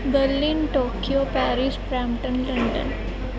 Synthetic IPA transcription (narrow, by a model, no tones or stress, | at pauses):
bəɾlinʈokijopæɾispɾampʈənləɳɖə̰n